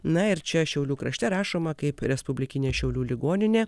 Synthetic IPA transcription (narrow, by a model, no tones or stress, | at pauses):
nɐɪɾt͡ʃʲɛʃʲɛʊlʲuːkɾɐʃʲt̪ʲɛɾɑːʃoːmɐkɐɪpɾʲɛspʊbʲlʲɪkʲɪnʲeːʃʲɛʊlʲuːlʲɪɡoːnʲɪnʲeː